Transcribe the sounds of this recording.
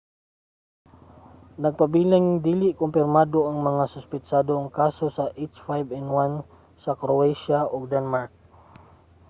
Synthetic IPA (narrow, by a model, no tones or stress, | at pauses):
nɐɡ̚pabiːlaŋd̪iːlɪʔkʊmpɪɾmaːd̪oʔaŋmɐŋasʊspɪt͡ʃad̪oːŋkasosaʔet͡ʃfajbɛnd̪wan | sakɾoɛjʃaʔoɡ̚d̪anmaɹk̚